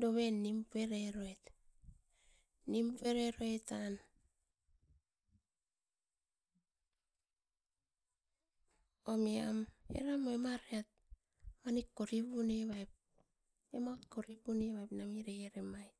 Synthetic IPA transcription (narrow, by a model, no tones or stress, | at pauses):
doβenːimpeɾeɾoet | nimpeɾeɾoetan | omiamḛɾamoemaɾeat̚ | manikːoɾiβuneβajp̚ | ematkoɾipuneβajpnamiɾeeɾemaj